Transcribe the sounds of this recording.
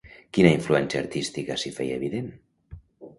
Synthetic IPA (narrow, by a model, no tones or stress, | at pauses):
kinaiɱfluɛnsjaːɾt̪ist̪ikasifɛjeβiðen